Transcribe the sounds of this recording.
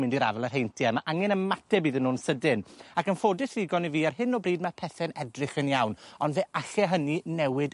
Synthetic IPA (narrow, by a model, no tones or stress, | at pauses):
mɪndiɾa̰vɛlˠər̥ɦejntʰjamaʔaŋɛnənmatʰɛbiːðənːuːnsədɪnakənfoːdɪθrɪɡɔniviːarhɨnːɔbriːdmapʰɛθɛnɛdrɨχənjawnɔndveːʔaɬɛɦəninɛwɪd